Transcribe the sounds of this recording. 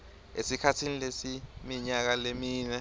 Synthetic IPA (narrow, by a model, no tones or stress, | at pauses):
esikʰatʰinilesimiɲak̬alemiːnɛ